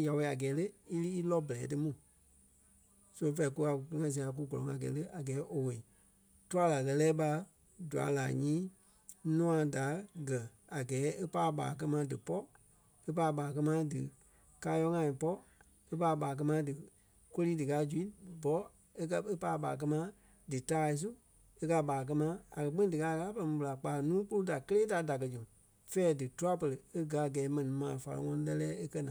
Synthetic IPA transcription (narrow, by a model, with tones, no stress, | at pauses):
ja˨we˨a˨ɡɛː˨˦lə˦i˦li˦i˦lɔ˦bɛ˨lɛː˨˦tɨ˦mũ˨ | sõ˦˧fɛ˧˦i˨˧ku˦a˧˨kku˧˦ŋã˧˨s̬i˨˧a˨˧k̬u˦ɡɔ˨lɔ̃˨ŋa˨ɡɛ̰ː˨˦lə˦ʔa˨ɡɛː˨˦ʔo˨we˨i˨ | tu˦a˦la˨ɣɜ˧lɛː˦ɓa˧ | du˨a̰˨˦la̰ː˨ɲĩː˦ | nũ˦ã˨˧da˨˦ɡɜ˨a˨ɡɛː˨˦e˦paː˧˦ɓa̰ː˨k̬ɜ˧mãː˧˦dɨ˨pɔ˦ | e˦paː˧˦ɓaː˨k̬ɜ˦˧mãː˦dɨ̰˨ | ka˧˦jɔ˧˦ŋã˧˨ĩ˨pɔ˦ | e˦paː˧˦˧ɓaː˨k̬ɜ˧mãː˧˦dɨ˨ | ko˦liː˦dɨ˨kaː˨˦d͡ʒu˨i˦bɔ˨˦ | e˦kɜ˧e˦paː˧˦˧ɓa̰ː˨k̬ɜ˧mã˧˦ | dɨ˨taː˦˨i˧s̬u˦ | e˦ka˧ɓaː˨k̬ɜ˧mã˧˦a̰˨kɜ˨k͡pi˦ĩ˦dɨ˨ka˧˦˧kaː˦pɛ˧˨ĩ˧bɨ˧la˨k͡paː˨nũː˦k͡pu˦lu˦da˨kə˦leː˦da˨˦da˨k̬ɜ˧d͡ʒũ˨ | fɛː˦dɨ˨tu˦a˦pə˧lə˨e˦ɡa˨˦a˨ɡɛː˨˦mɛ̃˨nĩ˨˦mãː˨fa˧la̰˧ŋɔ̃˧nĩ˧lɛ˧lɛː˦e˦kɜ˦nã˨